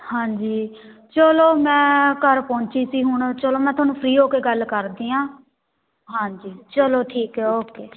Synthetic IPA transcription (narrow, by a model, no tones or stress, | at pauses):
hãːɲd͡ʒiː | t͡ʃəloːmɛ̃ːkəɾpɔ̃ːɲt͡ʃiːsiːɦʊɳt͡ʃəloːmɛ̃ːt̪ʊaːnũːpʰɾiːɦoːkeːɡəlkəɾd̪iːãː | ɦãːɲd͡ʒiːt͡ʃəloːʈʰiːkɛoːkeː